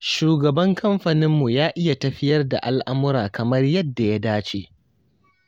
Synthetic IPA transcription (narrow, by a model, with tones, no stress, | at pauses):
ʃuː˨ɡɐ˨bɐ˦ŋkʰɐ˦mɸɐ˨nɪ˦mːu˨jaː˦ʔɪ˦ja˨tɐ˨ɸɪ˦jɐ˦rda̰˨ʔa˦lʔa˦mʊ˦ɾaː˨kɐ˨mɐ˦rjɐ˦dːa˨ja˦daː˦t͡ʃe˦˨